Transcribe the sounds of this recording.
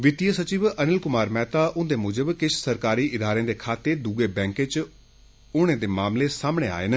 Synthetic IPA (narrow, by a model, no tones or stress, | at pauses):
ʋɪt̪ijəsət͡ʃiːʋənɪlkʊmaːɾmɛːt̪aːʔʊ̃nd̪eːmʊd͡ʒəbkɪʃʰsəɾkaːɾiːʔɪd̪aːɾẽːd̪eːkʰaːt̪ːeːd̪uɡeːbɛ̃ːŋkeːt͡ʃ | ʊːɽ̃ẽːd̪eːmaːmleːsaːmɳeːa̰ːen